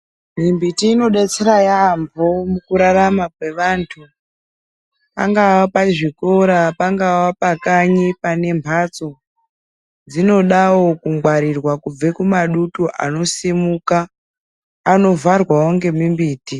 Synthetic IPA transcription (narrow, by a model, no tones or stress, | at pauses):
mimbitiːno̞ɗet͡seɾajambʱomukuɾaramakwe̞ʋaːntʰu | pa̰ŋɡawapaʐikoɾapaŋɡawapakaɲipane̞mpʰat͡so̞ | d͡zino̞ɗawo̞kuŋɡwaɾirwakub͡vekumaɗutuʔa̰no̞simukaː | no̞varwawoŋɡe̞mimbiːti